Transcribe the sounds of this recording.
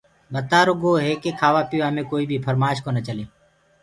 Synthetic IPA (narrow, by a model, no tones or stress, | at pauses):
bət̪aːɾoːɡoːɦeːkeːkʰaːʋaːpiːʋaːmẽːkoːiːbʱiːpʰəɾmaːʃkoːnət͡ʃəleː